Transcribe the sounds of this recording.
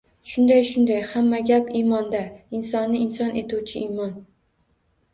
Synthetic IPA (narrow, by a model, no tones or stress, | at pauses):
ʃʊnd̪ajʃʊnd̪ajhamːaɡʲapimɒnd̪aɪnsɒnːɪɪnsɒnʔe̞t̪uwt͡ʃʰɪimɒn